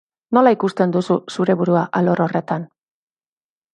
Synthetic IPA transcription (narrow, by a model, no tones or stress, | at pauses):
no̞laikust̪e̞nd̪ususuɾe̞βuɾuaʔalo̞ɾo̞re̞t̪an